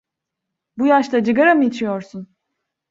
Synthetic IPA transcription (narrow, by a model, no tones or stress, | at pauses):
bujaʃt̪ˠad͡ʒɯɡaɾamɯit͡ʃʰijoɾsun